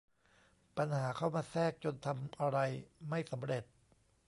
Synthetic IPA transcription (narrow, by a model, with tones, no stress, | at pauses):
pa˧nhaː˩˦kʰa˥˩wmaː˧sɛː˥˩k̚t͡ɕo˧nt̪ʰa˧mʔa˧ɾa˧jma˥˩jsa˩˦mɾe˨˩t̪̚